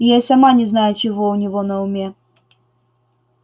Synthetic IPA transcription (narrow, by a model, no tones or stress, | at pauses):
ɪjasʲɐmanʲɪznajʊt͡ɕɪvoʊnʲɪvonɐʊmʲe